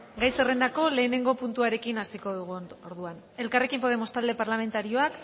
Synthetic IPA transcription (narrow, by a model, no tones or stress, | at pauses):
ɡajse̞rend̪ako̞le̞ːne̞ŋɡo̞punt̪uaɾe̞kinasiko̞ðuɣoɾðuan | e̞lkare̞kimpo̞ð̞e̞mo̞st̪ald̪e̞paɾlame̞nt̪aɾio̞ak